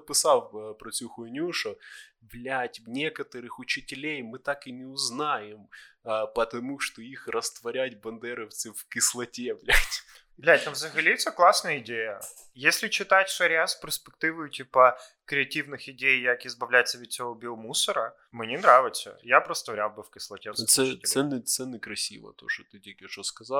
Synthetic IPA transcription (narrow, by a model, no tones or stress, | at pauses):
pʲɪsafpɾɐt͡sʲuxʊnʲuʂʊvlʲætʲnʲekət̪əɾɨxʊt͡ɕɪtʲɪlʲejmɨt̪akɨnʲɪʊznajɪmpət̪ɐmuʂt̪oixrəst̪vɐɾʲætʲbɐnd̪ɛɾəft̪sɨfkʲɪslˠɐtʲevlʲætʲ | vlʲætʲnovzəxɐlʲit̪sʲəklˠasnəjəɪdʲejə | jesʲlʲɪt͡ɕɪt̪atʲʂɐɾʲɪaspʲɪrspʲɪk̚t̪ɨvʊjʊtʲipə | kɾʲɪɐtʲivnɨxɪdʲejːakɪzbɐvlʲæt̪sʲəvʲɪt͡sʲɪobʲilˠmusəɾə | mɨnʲenɾavʲɪsʲə̰japɾəst̪vɐɾʲalˠbɨfkʲɪslˠɐtʲefssɛsɛnːɨt̪sɛnːɨkɾɐsʲḭvə̰t̪o̰ʐɨt̪ɨtʲekʲɪʂoskɐza